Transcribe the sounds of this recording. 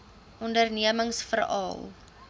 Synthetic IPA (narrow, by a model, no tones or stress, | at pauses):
ʔɔndərniəməŋsfərɑ̰ːlˠ